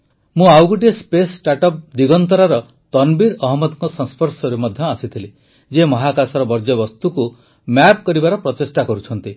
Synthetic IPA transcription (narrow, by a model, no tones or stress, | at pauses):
mũawɡuʈespesʈaʈɔp̚d̪iɡɔnt̪ɔɾaɾɔ | t̪ɔnbiɾɔɦɔmɔd̪ɔŋkɔsɔ̃nspʰɔɾsɔɾemɔd̪ʱjɔasit̪ʰili | d͡ʒemɔɦakasɔɾɔbɔɾd͡ʒɔbɔst̪uku | map̚kɔɾibaɾɔpɾɔt̪esʈakɔɾut͡ʃʰɔnt̪i